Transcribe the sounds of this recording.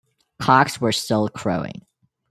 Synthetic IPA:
kʰɑkswə˞stɪlˠkʰɹ̥o̰ʊɪ̰̃ŋ

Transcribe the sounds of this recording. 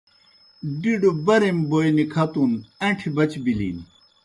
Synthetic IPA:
ɖiɖobɐɾemboːjnikʰɐt̪unɐ̃ʈʰibɐt͡ɕbilḭːn

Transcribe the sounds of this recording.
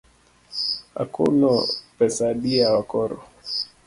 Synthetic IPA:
a̰kṵnɔpɛsaɗiawakɔɾɔ̰

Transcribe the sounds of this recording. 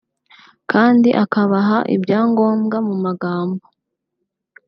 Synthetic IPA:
kaːndiʔakaβaɦaʔḭbɟaːŋɡo̞ːmɡamumaɡaːmbo

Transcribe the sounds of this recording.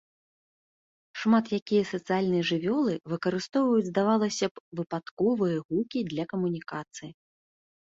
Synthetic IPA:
ʂmat̪jakʲijɐsɐt̪sɨjalʲnɨjɐʐɨvʲɔlˠɨvɨkɐɾɨst̪ɔwvɐjud͡zʲzd̪avalˠɐsʲɐvɨpat̪kɔvɨjɐɣukʲid̪lʲɐkɐmunʲikat̪sɨji

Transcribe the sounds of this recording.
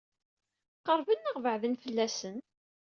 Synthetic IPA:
qəɾˤvənːəʁvəʕðənfəlːæsən

